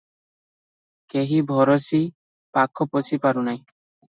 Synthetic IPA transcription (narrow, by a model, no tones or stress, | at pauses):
keɦibʱɔɾɔsi | pakʰɔpɔsipaɾunaj̃